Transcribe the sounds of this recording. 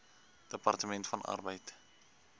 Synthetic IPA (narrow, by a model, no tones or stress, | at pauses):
d̥əpɐrtəmɛntfɐnʔɐ̰rbəjt